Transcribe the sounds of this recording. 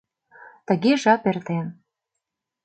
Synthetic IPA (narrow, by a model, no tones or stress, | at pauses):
t̪ə̆ɣeʒɑpert̪en